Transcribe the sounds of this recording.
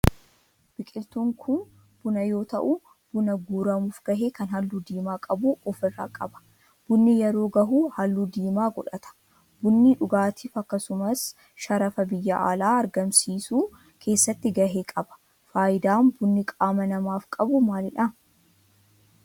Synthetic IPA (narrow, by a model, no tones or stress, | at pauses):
b̥ɪkʼɪlt̪uːŋkʰʊn | b̥ʊnɐjo̞ːt̪ɐ̰ʔu | b̥ʊnɐɡuːɾɐmuːfɡɐɦeːkɐnhɐlːuːd̪iːmaːkʼɐbuːʔɔfɪrːa̰ːkʼɐbɐ̥ | b̥ʊnːɪjɛɾo̞ːɡɐɦuːhɐlːuːd̪iːmaːɡɔᶑɐt̪ʰɐ̥ | b̥ʊnːiᶑʊɡaːt̪ʰiːfɐkːɐsʊmɐs | ʃɐɾɐfɐbɪjːɐʔa̰ːlaːɐɾɡɐmsiːsuː | kʰe̞ːsːɐt̪ːɪɡɐɦeːkʼɐbɐ̥ | faːjɪd̪aːnbʊnːɪkʼaːmɐnɐmaːfkʼɐbʊmaːlɪᶑɐ